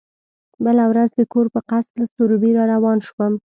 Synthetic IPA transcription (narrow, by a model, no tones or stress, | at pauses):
bəlawɾazd̪əkoɾpəqaslasoɾubiɾɑɾawɑnʃwəm